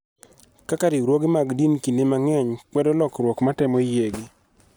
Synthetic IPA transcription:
kakaɾiɾwoɡɪmaɡdinkinemaŋɛɲkwɛdɔlɔkɾwɔkmatɛmɔijeɡɪ

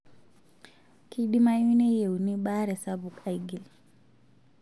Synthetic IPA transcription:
kiɗimajunɛjɛuniɓaɾɛsabukaiɡil

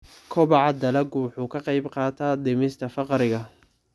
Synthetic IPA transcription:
kʰɔbɑʕɑd̪ɐlɐɡʊwʊħuːkʰɐqɑjbqɑːt̪ʰaːd̪ɪmɪst̪ʰɐfɑqɾɪɣɐ

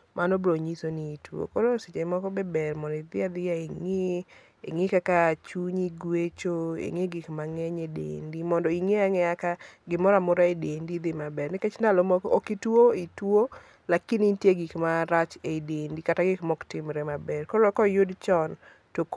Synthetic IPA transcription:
mʔanɔbɾoɲisoniitwo̰kolosit͡ʃeɪmɔkɔbɛbɛrmɔndɔid̪ɪad̪ɪjaeŋɪ | ḛŋɪkakat͡ʃuɲiɡwet͡ʃoḛŋeɡɪkmaŋɛɲedḛndimɔndɔiŋeaŋɛakaɡɪmɔɾamʊɾaedendid̪ɪmabɛrnɪkɛt͡ʃndalɔmɔokitwoitwo | lakinintjeɡikmaɾat͡ʃedendikataɡɪkmɔktɪmɾɛmabɛrkɔlɔkɔjʊdt͡ʃɔn | tok

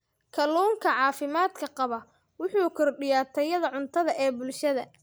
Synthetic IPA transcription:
kʰɐluːŋkʰɐʕɑːfɪmaːd̪kʰɐqɑβɐ | wʊħuːkʰɔrɖɪjaːt̪ʰɛjɐðɐʕʊnt̪ʰɐðɐʔɛːbʊlʃɐðɐ

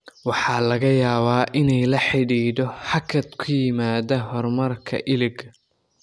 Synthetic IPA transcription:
wɑħɑːlɐɣɐjaːβaːʔɪnɛjlɐħɪɽiːdɔħɑkʰɐd̪kʰʊjɪmaːðɐɦɔrmɐrkʰɐ̰ʔɪlɪɡ

